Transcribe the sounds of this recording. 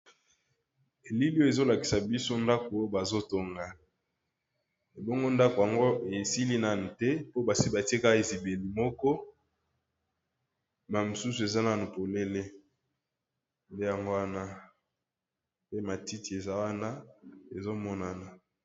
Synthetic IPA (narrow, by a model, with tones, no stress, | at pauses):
e˨li˦li˦o˦e˨zo˦la˨ki̥˨sa˨bi˦so˦nda˦ko˨o˦ba˨zo˦to˨ŋɡa˨ | e˨bɔ˦ŋɡo˦nda˦ko˨ja˨ŋɡo˦e˨si˦li˦na˦˨ni˨tɛ˦po˦ba˨si˦ba˨ti˦e˦ka˦˨e˨zi˨be˨li˨mɔ˦kɔ˦ | ma˨mo˨su˦su˨e˨za˦na˨no˨po˨le˦le˦ | nde˦ja˨ŋɡo˦wa˦na˦ | pe˦ma˨ti˦ti˨e˨za˦wa˦na˦e˨zo˦mɔ˦na˨na˨